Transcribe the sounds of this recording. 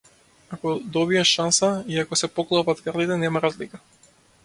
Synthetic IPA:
akɔd̪ɔbiɛʃansaiakɔsɛpɔklˠɔapat̪kaɾlit̪ɛnɛmaɾazlika

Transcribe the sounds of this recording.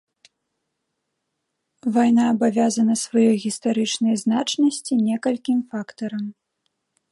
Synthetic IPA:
vajnaːbavʲazɐnɐsvajɔjɣʲist̪aɾɨt͡ʂnɐjznat͡ʂnɐsʲt͡sʲinʲɛkɐlʲkʲimfakt̪ɐɾɐm

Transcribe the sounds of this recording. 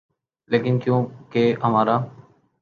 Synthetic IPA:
leːkɪnkjõːkeːɦəmaːɾaː

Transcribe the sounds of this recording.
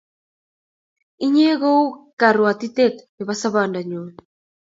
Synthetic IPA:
iɲeːɣowkaɾuat̪it̪et̪beβasaβaːndaɲo

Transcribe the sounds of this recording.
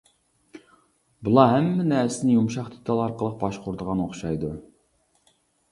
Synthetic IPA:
bulˠɑɦæmːɛnɛsɪnɪjumʃɑχd̪et̪ʰɑlˠɑɾqəlˠəq̚bɑʃqʰʊɾd̪əʁɑnoχʃɑjd̪u

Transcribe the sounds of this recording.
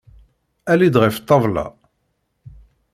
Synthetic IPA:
ælid̪ʁift̪ˤːɑvlɑ̰

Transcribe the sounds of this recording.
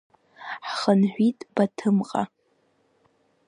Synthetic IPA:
ħχənħʷitʼb̥atʰɨmqʼa̰

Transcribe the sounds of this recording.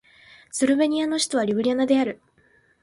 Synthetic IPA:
sɨɾɯ̟be̞ɲ̟iano̞ɕi̥t̪o̞βaɾʲibɯ̟ɾʲianad̪e̞aɾɯ̟

